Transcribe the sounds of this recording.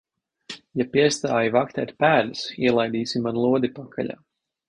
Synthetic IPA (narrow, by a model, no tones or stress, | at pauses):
japiɛst̪aːjivakt̪ɛːt̪ʲpæːlʲasiɛlˠajd̪iːsimanlˠuɔd̪ipakʰa̰ʎa̰ː